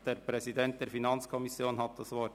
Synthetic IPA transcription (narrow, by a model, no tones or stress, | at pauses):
d̥eːɾpɾɛsidɛnt̚d̥eːɾfinɑnt͡skʰɔmɪsjoːnhɑt̪̚d̥ɑsʋɔt